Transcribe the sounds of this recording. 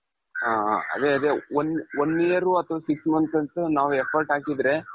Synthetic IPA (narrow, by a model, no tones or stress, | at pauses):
aːɐ̰d̪eɐd̪eononːijɐɾuɐt̪ʰɐʋaːsiksmɐnsɐnt̪unaːʋuepʰɐɾʈaːkid̪ɾe̞